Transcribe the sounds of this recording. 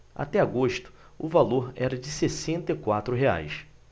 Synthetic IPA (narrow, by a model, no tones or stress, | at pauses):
a̰t̪ɛaɡoʃt̪ʊ̥ | ʊvaloɾɛɾɐd͡ʒɪsesẽnt̪ɐikwat̪ɾʊɦea̰js